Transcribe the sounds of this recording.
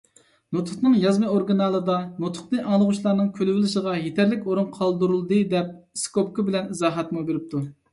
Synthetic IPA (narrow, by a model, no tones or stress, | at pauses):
not̪ʰʊχnɨŋjɑzmɨoɾɡɨnɑlˠɨd̪ɑnot̪ʰʊ̥χnɨʔɑŋlˠəʁuʃlˠɑɾnɨŋkʲʰølɪvɪlɪʃəʁɑjet̪ʰɛɾlɪkʲoɾunqʰɑlˠd̪uɾulˠd̪ɨd̪ɛp̚skopkɨbɪlɛnizɑːɦɛt̪mubeɾɪp̚t̪ʰu